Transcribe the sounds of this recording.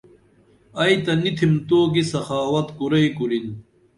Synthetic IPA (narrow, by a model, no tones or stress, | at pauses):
ɐjt̪ɐnit̪ʰimt̪oːɡisɐxaːwɐt̪kuɾɐjkuɾin